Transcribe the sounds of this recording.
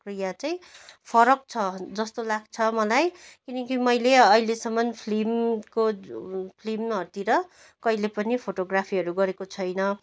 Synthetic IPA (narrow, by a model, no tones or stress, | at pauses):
krijat͡saj̃pʰʌɾʌk̚t͡sʰʌd͡zʌst̪olaɡ̚t͡sʰʌmʌlajkinʌkimʌjleʌilesʌmʌnpʰlimkopʰlimɦʌrt̪iɾʌ | kʌilepʌnipʰoʈoɡrapʰiɦʌɾuɡʌɾekot͡sʰʌjnʌ